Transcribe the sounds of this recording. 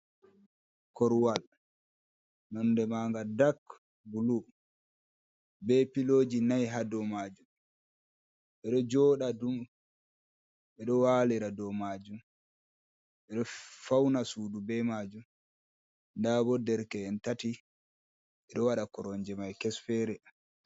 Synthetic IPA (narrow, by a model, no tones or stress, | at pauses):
kɔɾwal | nɔndɛmaːŋɡadak | bulu | bɛpiloːd͡ʒinajɦadɔmad͡ʒum | ʔɛɗɔd͡ʒɔːɗadum | ʔɛɗɔwaːliɾadɔmaːd͡ʒum | ʔɛɗɔfawnasudubɛmad͡ʒum | ndabɔdɛɾkɛɛntati | ɛɗɔwaɗakɔɾɔɲd͡ʒɛmajkɛsfɛɾɛ